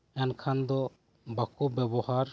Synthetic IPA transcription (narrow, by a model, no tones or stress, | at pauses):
ɛnkʰand̪ɔ | bakubɛbɔhaɾ